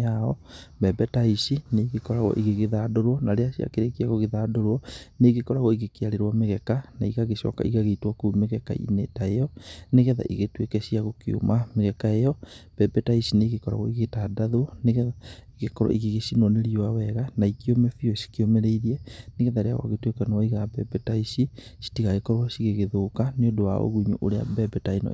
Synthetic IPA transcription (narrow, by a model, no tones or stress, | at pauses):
aɔbɛbɛtaisineɣekɔɾaɣɔ̰ʔiɣeɣeðaːdoɾwɔnaɾeaʃia̰keɾekeaɣoɣeðaːdoɾwɔneɣekɔɾaɣɔiɣekeaɾeɾwameɣɛkanaiɣaɣeʃɔ̰ka̰ʔiɣaɣeitwɔkumeɣɛka̰ḭnetaejɔneɣɛða̰ʔiɣetwekɛɕiaɣokio̰mameɣɛkaejɔb̥ɛbɛtaisineɣekɔɾa̰ɣoiɣetadaðwɔneɣɛaiɣekɔɾɔ̰ʔiɣeɣeʃinɔneɾiwawɛɣanaikiomɛfioʃi̥kiomeɾeiɾiɛneɣɛðaɾea̰ɣɔ̰ɣetwekanɔiɣabɛbɛtaisisi̥tiɣaɣekɔɾwasiɣeɣeðoːkaneodowa̰o̰ɣuɲuʔoɾea̰bɛbɛtainɔ̰